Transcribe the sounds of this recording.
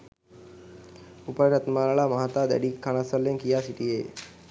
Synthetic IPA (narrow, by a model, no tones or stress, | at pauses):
upəɾɾət̪maɾaɭamaɦat̪ad̪ɛ̰ɽikʰːaɽ̃asəlːẽŋkijasiʈie